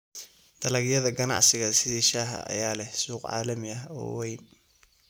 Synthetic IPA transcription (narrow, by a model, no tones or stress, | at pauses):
d̪̥ʰɐlɐɣjɐðɐɡɐnɑ̰ʕsɪɣɐsɪðiːʃaːɦɐ̰ɐ̰jaːlɛhsuːqʕɑ̰ːlɐmɪɐɦɔ̰ːwɛjn